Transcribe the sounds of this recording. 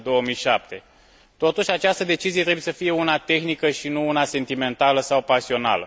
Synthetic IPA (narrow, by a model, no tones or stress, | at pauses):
d̪o̞wəmijʃap̚t̪e̞ | t̪o̞t̪uʃʲat͡ʃast̪əd̪e̞t͡ʃiziet̪ɾe̞bujesəfije̞unat̪e̞xnikəʃinuunase̞nt̪ime̞nt̪aləsawpasio̞na̰lə̰